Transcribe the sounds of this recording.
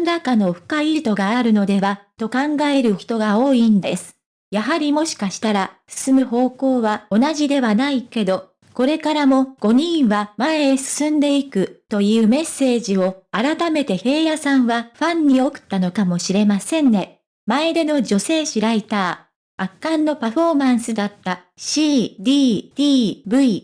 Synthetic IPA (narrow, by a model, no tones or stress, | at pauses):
nɾakano̞ɸɯ̟̥kait̪o̞ɡaːɾɯ̟no̞d̪e̞βat̪o̞kãŋɡaeɾɯ̟çi̥t̪o̞ɡao̞ːind̪e̞sɨ̥ | jaɦaɾʲimo̞ɕi̥kaɕi̥t̪aɾasɨ̥sɨmɯ̟ho̞ːko̞ːβao̞naʑid̪e̞βanaike̞d̪o̞ | ko̞ɾe̞kaɾamo̞ɡ̥o̞ɲ̟ĩɰ̃βamaesɨ̥sɨ̃nd̪e̞ikɯ̟t̪o̞jɯ̟ːme̞sːe̞ːʑio̞aɾat̪ame̞t̪e̞he̞ːjasãɰ̃βaɸãɲ̟ːio̞kɯ̟̥t̪ːano̞kamo̞ɕiɾe̞masẽ̞nːe̞ | maed̪e̞no̞ʑo̞se̞ːɕiɾait̪aː | akːãnːo̞paɸo̞mãɰ̃sɨd̪at̪ːa | ɕiːd̪ʲiːd̪̥iːbɯ̟i